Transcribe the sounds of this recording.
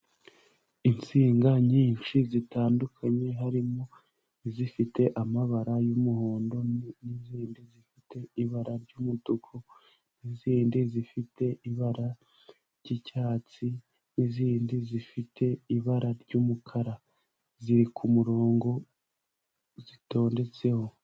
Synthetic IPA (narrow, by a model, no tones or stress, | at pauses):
insiːŋɡaɲiːnʃizitaːndukʰaɲe̞ɦaɾimo̞ | izifite̞ʔamaβaɾajumuho̞ːndo̞nniziːndizifite̞iβaɾaɾɟuːmudukʰo | niziːndizifitʰe̞ʔiβaɾa | ɾɟicaːt͡si | niziːndizifitʰe̞iβaɾaɾɟumukʰaɾa | ziɾikʰumuɾo̞ːŋɡo̞ | zito̞ːnde̞t͡se̞ho̞